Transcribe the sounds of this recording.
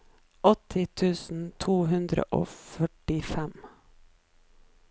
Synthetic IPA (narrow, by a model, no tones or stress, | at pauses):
ʔɔt̪ʰɪt̪ʰʉːsn̩t̪ʰuːhʉnd̪ɾə̰ʔo̰ːfœʈɪfɛm